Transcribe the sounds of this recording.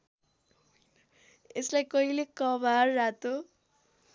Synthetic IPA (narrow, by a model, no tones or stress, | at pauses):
eslajkʌɦilekʌbʱarːat̪o